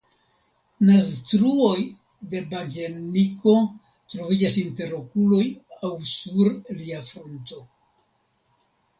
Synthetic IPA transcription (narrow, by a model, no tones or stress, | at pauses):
nastɾuo̞j | de̞baɡeniko̞ | tɾo̞vid͡ʒasinte̞ɾo̞kulo̞jawsuɾliafɾonto̞